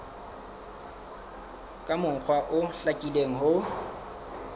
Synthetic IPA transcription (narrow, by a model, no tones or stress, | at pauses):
kʼamʊŋ̩k͡xʰwaʔʊɬakʼileŋ̩ɦʊ